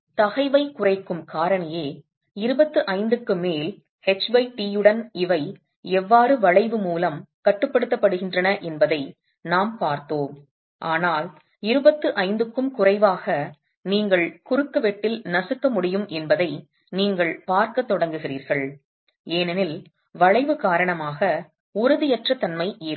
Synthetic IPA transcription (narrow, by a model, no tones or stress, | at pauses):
t̪ɐɣɐɪʋɐɪkʊrɐɪkːɯmkaːɾɐɳɐjeː | ɪɾɯbɐt̪ːɯʔɐɪnd̪ɯkːɯmeːl | hɛt͡ʃbɐɪʈiɯɽɐnɪʋɐɪ | ɛʋːaːrɯʋɐɻɐɪʋɯmuːlɐmkɐʈːɯpːɐɽɯt̪ːɐpːɐɽɯɣɪndrɐnɐʔɛnbɐðɐɪ | naːmpaːɾt̪oːm | ʔaːnaːl | ɪɾɯbɐt̪ːɯʔɐɪnd̪ɯkːɯmkʊrɐɪʋaːɣɐ | niːŋɡɐɭkʊɾɯkːɐʋɛʈːɪlnɐsɯkːɐmʊɽɪjɯmʔɛnbɐðɐɪ | niːŋɡɐɭpaːɾkɐt̪ːɔɽɐŋɡɯɣɪriːɾɣɐɭ | eːnɐnɪl | ʋɐɻɐɪʋɯkaːɾɐɳɐmaːɣɐ | ʊɾɯðɯjɛʈrɐt̪ːɐnmɐɪʔeː